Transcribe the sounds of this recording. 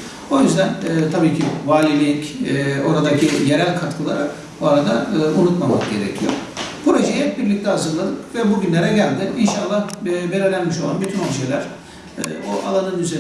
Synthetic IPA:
o̞jyzd̪ænɛːt̪ʰabiːcʰivaːlʲimicːo̞ɾad̪acʰije̞ɾælʲkʰat̪kʰɯlˠa̰ɾa | boaɾad̪aɯːʔunut̪mamakɟe̞ɾḛcʰijo̰pɾo̞ʒejɛbiɾlʲic̚t̪ʰɛɦazɯɾlˠad̪ɯpvɛbuɟynlʲe̞ɾɛɟælʲd̪ɪinʃalˠːahbe̞ɾilʲænmiʃo̞lˠanbyt̪ʰynolʃelʲæɾ̥̰ | oʔa̰lˠanɯnyze

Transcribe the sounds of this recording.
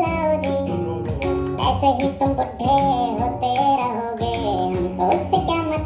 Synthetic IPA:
laɦoːd͡ʒiː | ɛ̰ːseɦit̪ʊmpʊʈʰːeɦoːt̪eɾɐɦoɡeːkoʊsːekjaːmɐ

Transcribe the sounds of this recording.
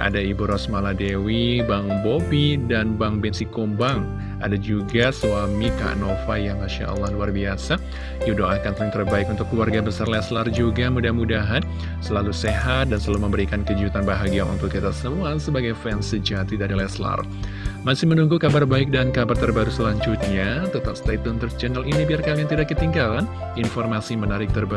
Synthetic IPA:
ʔa̰daibuɾɔsmaladewibaŋbobidanbaŋbɛnsikɔmbaŋ | a̰dad͡ʒuɡasuamika̰ʔnofajaŋaʃa̰ə̰lːahluarbiasa | judoakant̪əliŋt̪ərbaɪkunt̪ʊkluwarɡabəsarlɛslard͡ʒuɡamudahmudaɦan | səlaluseɦat̪̚dansəaluməmbəɾikankəd͡ʒiut̪anbaɦaɡiaʔṵnt̪ʊkːit̪asəmuasəbaɡajfɛnsəd͡ʒaʔt̪idaadalɛsla̰r | masɪhmənuŋɡukabarbaɪk̚dankabart̪ərbaɾusəlaɲd͡ʒʊt̪̚ɲat̪ət̪ap̚st̪at̪unt̪ərt͡ʃɛnəlinibiarkaliaŋt̪idakːət̪iŋɡalan | infɔrmasimənaɾɪk̚t̪ərba

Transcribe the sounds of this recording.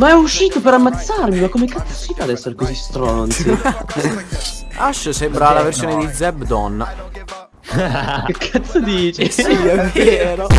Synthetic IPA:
maɛɔuʃːiːt̪opeɾamːat̪sːarmimakːomekːat̪sḁsit̪ad̪ɛsːeɾekozist̪ɾɔnt̪i | aʃsɛmbɾalaversjoːned̪id̪zɛbd̪ɔnːa | kekʰːat̪sad̪iːt͡ʃesiɛveːɾo

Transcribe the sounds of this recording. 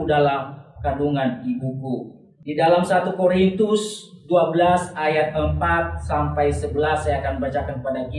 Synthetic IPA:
udalahkaduŋanibuku | didalamsat̪ukoɾint̪ʊsduabəlasajat̪̚əmpat̪̚sampajsəbəlasːajakanəbat͡ʃakankəpadaki

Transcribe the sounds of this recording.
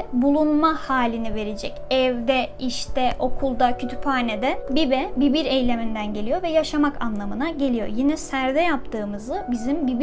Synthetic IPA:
bulˠunmahaːlʲinive̞ɾed͡ʒɛcɛvd̪ɛiʃt̪ʰɛʔo̞kʰulˠd̪acʰøt̪ʰy̥phaːned̪ɛbibɛbibiɾejlʲe̞mind̪ænɟe̞lʲijo̞vɛjaʃamakʰa̰nlˠamɯnaɟe̞lʲijo̞̰jinɛsæɾd̪ɛjap̚t̪ʰɯːmɯzɯbizimbib

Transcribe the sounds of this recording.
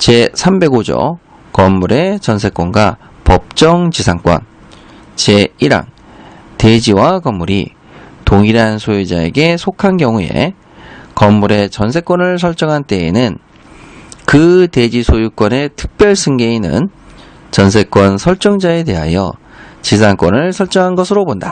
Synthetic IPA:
t͡ɕe̞sʰambe̞ɡod͡ʑʌ̰ | kʌmːuɾe̞t͡ɕʌnsʰe̞k͈ʌnɡwa | pʌp̚t͡ɕ͈ʌŋt͡ɕisʰaŋk͈wʌ̰n | t͡ɕe̞iɾa̰ŋ | te̞d͡ʑiwakʌmːuɾḭ | toŋiɾansʰojed͡ʑae̞̰ɡe̞sʰokʰanɡjʌŋue̞̰ | kʌmːuɾe̞t͡ɕʌnsʰe̞k͈wʌnɯɭsʰʌɭt͡ɕ͈ʌŋɦant͈e̞ːnɯn | kɯte̞d͡ʑisʰojuk͈wʌne̞tʰɯ̥k̚p͈jʌɭsʰɯŋɡeinɯ̰n | t͡ɕʌnsʰe̞k͈̚wʌnsʰʌɭt͡ɕ͈ʌŋd͡ʑae̞te̞ɦa̰jʌ̰ | t͡ɕis̬ʰaŋk͈wʌnɯɭsʰʌɭt͡ɕ͈ʌŋɦanɡʌsʰɯɾobonda

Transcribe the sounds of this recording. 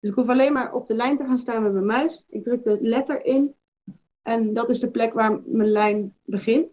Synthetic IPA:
d̥ɵsɪkɦufɑlejnmaːɹʔɔ̰b̚dəlɛjntəχaːnstaːnmɛtmɛnmœɥsɪɡ̚drɵk̚dəlɛtəɹɪn | ʔɛndɑtɪzdəplɛkʋaːɹmənlɛjnbəχɪnt

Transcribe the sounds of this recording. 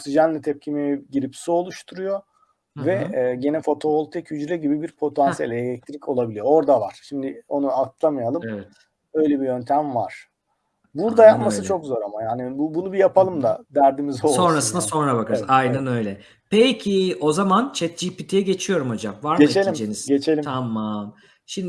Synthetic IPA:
oksid͡ʒanlːʲɛt̪ʰɛp̚cʰimiɟiɾipsio̞lˠuʃt̪ʰuɾujo̞ | vɛːɟe̞nɛfo̞t̪ʰo̞olˠt̪ʰɛcʰyd͡ʒɾɛɟibibiɾpʰo̞t̪ʰansijelʲɛellʲɛc̚t̪ʰɾicʰo̞lˠabilʲijoo̞ɾd̪avaɾ̥ʃimd̪ɪo̞nuat̪ʰlˠamɯjalˠɯmɛvɛt̪ | ø̞jlʲɛbijø̞nt̪ʰæmvaɾ̥ | buɾd̪ajapmaɯt͡ʃʰo̞kzo̞ɾamajaːnibubunubijapʰalˠɯmd̪ad̪æɾd̪imizo̞lso̞nɾasɯnd̪aso̞nɾabakʰaɾzajnanø̞jlʲɛ | pʰecʰio̞zamant͡ʃʰɛt̪̚d͡ʒipit̪ʰijɛɟe̞t͡ʃʰijo̞ɾumo̞d͡ʒamvaɾmɟet͡ʃelʲimd͡ʒenizɟe̞t͡ʃʰe̞lʲimt̪ʰamːam | ʃimd̪ɪ

